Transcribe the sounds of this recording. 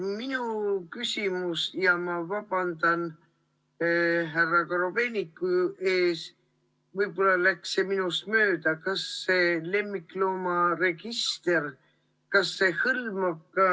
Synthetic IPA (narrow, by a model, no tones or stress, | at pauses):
minukysʲimusjɑmɑvɑb̥ɑnd̪̥ɑn | ɦærːɑkɑɾove̞nʲikːˑue̞ːs | vɤjb̥o̞lːɑlækseminust̪mø̞ːd̪̥ɑkɑsːe̞le̞mːikːˑloːmɑre̞ɡist̪e̞r | kɑsːe̞hɯlmɑkːɑ